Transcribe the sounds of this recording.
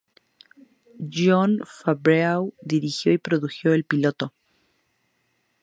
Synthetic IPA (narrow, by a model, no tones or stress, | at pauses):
ʝonfaβɾeawd̪iɾixjo̞ipɾoðuxjo̞elpilo̞t̪o